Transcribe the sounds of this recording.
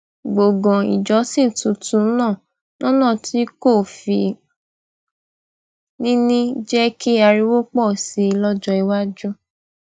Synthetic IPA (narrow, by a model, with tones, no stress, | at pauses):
ɡ͡bo˨ɡɔ̃˨ḭ˨d͡ʒɔ˨˦sĩ˦˨tũ˨˧tũ˨˦nãː˦˨ | nʔɔ̃˦nã˦˨tʰi˨˦ko˦˨fḭ˨ | nĩ˦nĩ˦d͡ʒɛ˦ki˦a˧ɾi˦wo˦k͡pɔ˦˨si˨˦i˧lɔ˦d͡ʒɔ˧i˧wa˦d͡ʒu˦